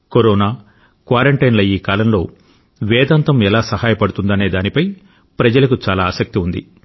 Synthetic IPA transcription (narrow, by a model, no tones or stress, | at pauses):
koɾɔːnaː | kʋaːɾɐɳʈɐjnlɐiːkaːlɐmlo̞ː | ʋɛːd̪aːnt̪ɐmɛlaːsɐhaːjɐpɐɽut̪und̪ɐne̞ːd̪aːnipɐj | pɾɐd͡ʒɐlɐkut͡ʃaːlaːsɐk̚t̪iund̪ḭ